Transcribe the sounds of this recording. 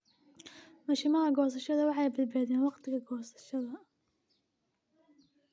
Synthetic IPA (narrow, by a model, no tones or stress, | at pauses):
mɐʃɪmɐɦɐɡɔːs̬ɐʃɐðɐwɑħɑjbɪd̪̚baːðɛːnwɑqt̪ʰɪɣɐɡɔːsɐ̥ʃɐðɐ